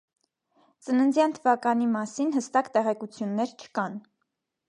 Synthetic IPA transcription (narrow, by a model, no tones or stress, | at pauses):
t͡sənənd͡zjɑnt̪ʰəvɑkɑnimɑsinhəst̪ɑkt̪ɛʁɛkut͡sʰjunːɛɾt͡ʃʰə̥kɑn